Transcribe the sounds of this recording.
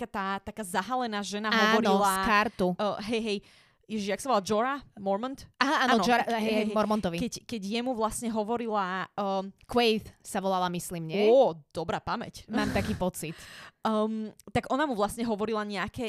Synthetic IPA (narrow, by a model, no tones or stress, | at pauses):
kat̪aːt̪akaːzaɦalɛnaːʒɛnaɦaɔːʋɔɾiɔlsakaɾt̪uɦɛjɦɛj | jɛʒijaksaʋɔlad͡ʒɔɾamɔɾmɔnt̪ʔaaaːnːɔɔd͡ʒɔɾaɦɛɦɛmɔɾmɔnt̪ɔʋikɛɟkɛɟjɛmuʋlasɲɛɦɔʋɔɾilaː | kwɛjθsaʋɔlalamisliːmɲɛɛɔd̪̥ɔbɾaːpamɛ̰cmaːmt̪akiːpɔt͡sit̪ət̪aɡʔɔnamuʋlasɲɛɦɔʋɔɾilaɲɛakɛ